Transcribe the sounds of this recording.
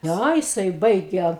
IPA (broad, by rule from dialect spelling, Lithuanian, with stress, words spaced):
ˈnʲæ jɪˈsɐɪ ˈbɐɪɡʲɛ